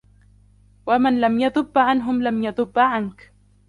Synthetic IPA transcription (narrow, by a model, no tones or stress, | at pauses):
wamanlamjaðˤʊbːʕanɦʊmlamjaðˤʊbːʕank